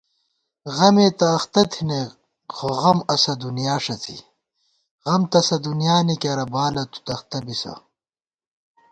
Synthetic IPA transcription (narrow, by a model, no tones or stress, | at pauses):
ɣɐmeːt̪ɐːxt̪ɐt̪ʰine | ɣoʁɐmɐsɐd̪unjaːʂɐt͡sʰḭ | ɣʁɐmt̪ɐsɐd̪unjaːnikɐɾɐbaːlɐt̪u̥t̪ɐxt̪ɐbisɐ̰